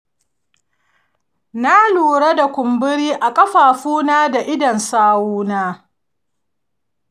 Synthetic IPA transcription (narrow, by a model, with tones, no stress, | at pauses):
na˦luː˨ɽa˦da˨kʷʊ˨mbɪ˦ɾiː˦ʔa˨kʼɐ˦ɸaː˨ɸuː˦naː˦da˨ʔɪ˦dɐ˨nsaː˦wuː˦naː˦